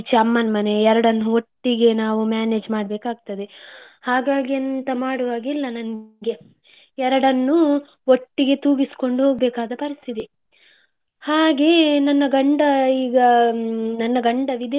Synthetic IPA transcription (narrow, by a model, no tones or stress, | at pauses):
t͡ʃiɐmːɐnmɐne̞ɛɾɐɽɐnːuoʈːiɡe̞naːʋumjaːne̞ːd͡ʒmaːɽbeːkaːɡ̚t̪ɐd̪e | haːɡaːɡiɐnt̪ɐmaːɽuʋaːɡilːɐnɐnɡe̞ | ɛɾɐɽɐnːu | oʈːiɡe̞t̪uːɡisi̥ko̞ɳɖuɦoːɡbeːkaːd̪ɐpɐɾist̪ʰit̪i | haːɡe̞nɐnːɐɡɐɳɖɐiːɡɐnɐnːɐɡɐɳɖɐʋid̪